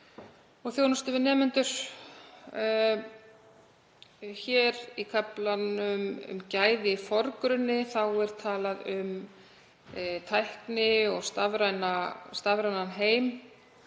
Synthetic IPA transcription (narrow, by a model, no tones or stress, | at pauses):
ɔɣθjownɔst̪ʏvɪnɛːmʏnt̪ʏɾ̥ | çɛːɾikʰaplanʏmʏ̰mcaːjðɪfɔɾkɾʏnːɪθawɛɾ̥t̪ʰaːlaðʏm | t̪ʰajhknɪɔɣst̪avɾajnast̪avɾajnanɦeːjm